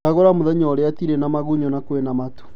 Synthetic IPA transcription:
aɣoɾamoðɛɲɔɾeatiɾenamaɣuɲɔnakwenamatu̥

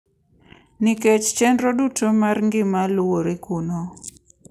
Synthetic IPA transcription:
nɪket͡ʃt͡ʃɛndɾodutʰomarŋɡɪmalwoɾekuno

